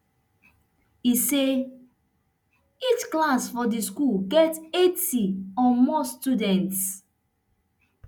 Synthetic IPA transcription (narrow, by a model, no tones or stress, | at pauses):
ise | it͡ʃklãsfɔdiskulɡɛtetiɔ̃mɔstudɛ̃nts